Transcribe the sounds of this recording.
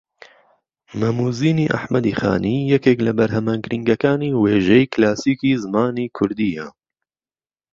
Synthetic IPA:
mɐmuːziːniːʔa̰ħmɐd̪iːxa̰ːniːjɛkeːklɐbɐɾhɛmaːnɡɨɾiŋɡɐkaːniːweːʒɛjklaːsiːkiːzɨmaːniːkʰʊɾd̪iːjɛ̰

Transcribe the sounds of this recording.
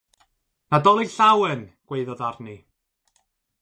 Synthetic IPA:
nadɔlˠiɬawɛnɡ̥weɨðɔðarni

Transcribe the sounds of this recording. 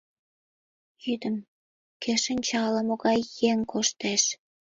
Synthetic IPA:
jyd̪əm | keʃə̆nʲt͡ɕɑlə̆moɣɑjːeŋkʰoʃt̪eʃ

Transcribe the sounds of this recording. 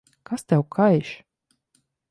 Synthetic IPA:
kast̪ʲɛwkʰajʃ

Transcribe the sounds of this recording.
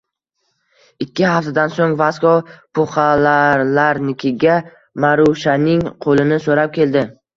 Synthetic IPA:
ɪkʲːɪhaft̪ʰad̪ansoŋvaskɒpʰʊχalaɾlaɾnɪkʲʰɪɡʲa | maɾuʃanɪŋqʰolɪnɪsoɾap̚kʲʰe̞ld̪ɪ

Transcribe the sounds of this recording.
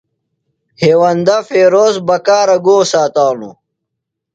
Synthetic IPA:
heːwɐnd̪ɐfeːɾoːzbɐkaːɾɐɡoːsaːt̪aːnṵ

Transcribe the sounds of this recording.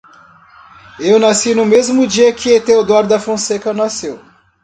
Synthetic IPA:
ewnasinʊ̃mezmʊd͡ʒiɐkɪet̪ewd̪ɔɾd̪ɐfõsekɐnasew

